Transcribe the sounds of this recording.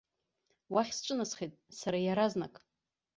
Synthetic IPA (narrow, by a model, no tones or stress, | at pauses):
waχʲsʈ͡ʂʷʼɨnasχitʼsaɾajaɾaznakʼ